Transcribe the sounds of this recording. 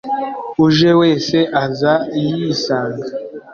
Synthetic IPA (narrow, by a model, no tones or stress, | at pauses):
uʒeweːseʔazaijisaːŋɡa